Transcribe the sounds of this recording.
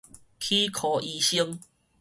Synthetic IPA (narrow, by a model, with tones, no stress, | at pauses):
kʰi˦kʰo˨˩ʔi˧ɕi˦ŋ